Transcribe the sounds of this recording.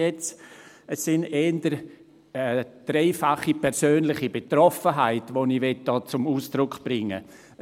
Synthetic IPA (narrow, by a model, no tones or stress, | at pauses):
ɛt͡s | ɛsːɪneːndəɾ | ɛd̥ɾeɪfaχipʰɛɾsøːnlɪχibetrɔfəɦaɪtvoniʋɛt̚d̥ɔːt͡sʊmuːsd̥ɾʊkb̥ɾɪŋːə̰